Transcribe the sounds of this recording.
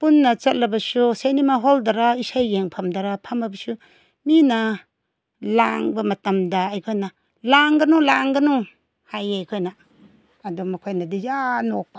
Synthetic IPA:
punːɐt͡ʃɐt̚lɐbɐsusenimaɦoldaɾaisajːeŋpʰɐmdaɾapʰɐmabɐsu | minɐ | laŋbɐmɐtɐmdaːjkʰojna | laŋɡɐnulaŋɡɐnu | hajajkʰojnaː | dumɐkʰojnadijanok̚pa

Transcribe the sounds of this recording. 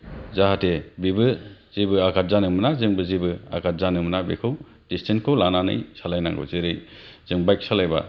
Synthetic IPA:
zaɦatebibɯz̥ibɯakat̚zanɯmɯnazɯŋbɯzibɯa̰kʰat̚zanɯmɯnabikʰɯw | distʰenkʰɯwlananɯ̰jsalajna̰ŋɡɯ̰wzeɾɯj | z̥ɯŋbajk̚salajba̰

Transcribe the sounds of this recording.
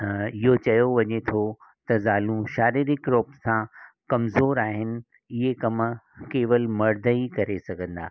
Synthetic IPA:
ɪɦot͡ɕɐjoʋɐɲet̪ʰo | t̪ɐzaːlũʃaːɾiːɾɪkɾoːpsãkɐmzoːɾaːɦɪnɪ̆ | ɪɦekɐmkeːʋəlmɐɾd̪ʱəikɐɾesɐɡʱə̃nd̪a̰ː

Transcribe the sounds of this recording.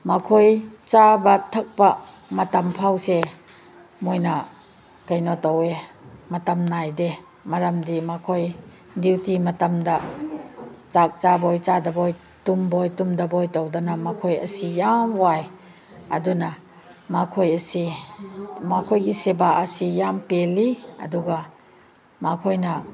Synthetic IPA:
makʰojt͡ʃabɐtʰɐk̚pa | mɐtɐmpʰawse | mojnɐ | kajnɔtɔwemɐtɐmnajde | mɐɾɐmdimakʰoj | diwtimɐtɐmdɐ | t͡ʃak̚t͡ʃabojt͡ʃadɐboj | tumbojtumdɐbojtɔwdanamakʰojɐ̰sijamwaj | ɐdunɐ | makʰojɐsi | makʰojɡisebaʔɐsijampeliɐ̰duɡa | makʰojnɐ

